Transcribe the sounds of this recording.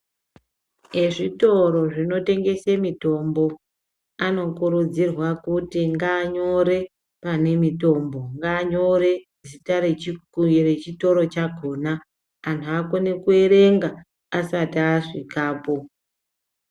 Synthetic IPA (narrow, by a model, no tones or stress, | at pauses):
e̞ʐito̞ɾo̞ʐino̞te̞ŋɡe̞semito̞mbo̞ | ano̞kuɾud͡zirwakutiŋɡaːɲo̞ɾe̞ | pane̞mito̞mbo̞ŋɡaːɲo̞ɾe̞ | zitarere̞t͡ʃito̞ɾo̞t͡ʃaɡʱoːnaː | ntʰuakonekue̞ɾe̞ŋɡa | asatiaʐikaːpo̞